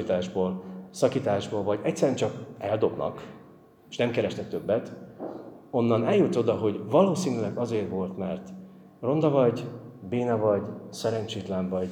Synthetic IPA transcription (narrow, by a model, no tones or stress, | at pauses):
it̪aːʒboːlsɒkiːt̪aːʒboːlvɒɟɛctsːɛɾɛnt͡ʃɒkɛld̪o̞bnɒ̰kː | ʃnɛmkɛɾɛʃt̪ɛk̚t̪ø̞bːɛt̪ | o̞nːɒnɛljut̪o̞d̪ɒɦo̞ɟvɒloːsiːnylɛɡɒzeːrtʋo̞lt̪mɛrt̪ | ro̞nd̪ɒvɒɟbeːnɒvɒɟsɛɾɛɲt͡ʃeːt̪lɛɱvɒɟ